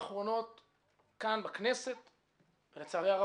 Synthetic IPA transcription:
χʁo̞no̞t̪ | kanbakneset̪ | venet͡saʁeaʁa

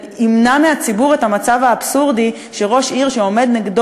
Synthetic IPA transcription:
imnameat͡sibuʁe̞tamat͡savaːbsuʁdi | ʃe̞ʁo̞ʃiʁʃeo̞me̞d̪niɡd

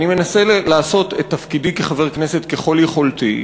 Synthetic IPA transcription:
nime̞naselaːso̞t̪et̪ːafkidikeχaveʁkneset̪keχo̞ljeχo̞lt̪i

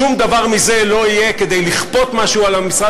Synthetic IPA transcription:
umd̪avaʁmize̞lo̞ije̞ke̞d̪ejliχpo̞t̪maʃualamisʁa

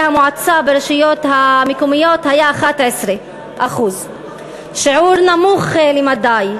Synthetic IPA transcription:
hamoʕat͡sabeɾeʃijo̞t̪hamekumijo̞t̪hajaːχat̪ʕesɾe | ʔaχuz | ʃiʕuɾnamuχlemad̪aj

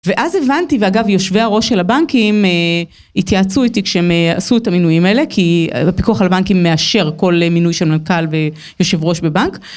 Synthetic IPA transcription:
ve̞ʔazevantiveaɡavjo̞ʃveaʁo̞ʃelabaŋkime | itjaːt͡suitikʃeemasuetaminujimaele̞kʰiapikuaχalabaŋkimːe̞aʃe̞ʁko̞lminujʃelmankalve̞ | jo̞ʃe̞vʁo̞ʃbe̞baŋk

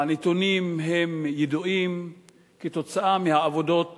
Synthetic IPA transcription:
net̪unimɦemjeduʔim | keto̞t͡saʔamehaavo̞do̞t

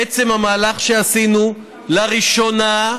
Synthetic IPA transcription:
et͡se̞mhamaːlaχʃeasinu | laʁiʃona

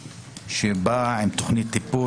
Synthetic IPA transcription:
ʃebaimt̪oχnit̪ːipu

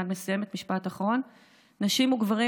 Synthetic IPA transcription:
adme̞suje̞me̞t̪miʃpataχʁo̞nː | aʃimuɡvaʁi

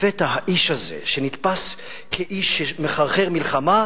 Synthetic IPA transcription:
vet̪ahaʔiʃhazḛʃenit̪pas | kʰeʔiʃːemeχaʁχe̞ʁmilχama

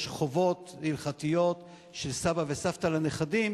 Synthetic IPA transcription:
ʃχovo̞t̪ilχat̪ijo̞t | ʃelsabavesaft̪alaneχadim

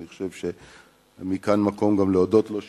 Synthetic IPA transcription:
niχo̥ʃevʃe | mikanmako̞mɡamleodo̞tlo̞ʃ

